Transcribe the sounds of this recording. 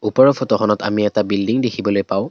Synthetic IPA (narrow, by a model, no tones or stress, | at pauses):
upɔɹɔpʰotɔxʰɔnɔta̰miɛtabildiŋdekʰibɔlojpaʊ̃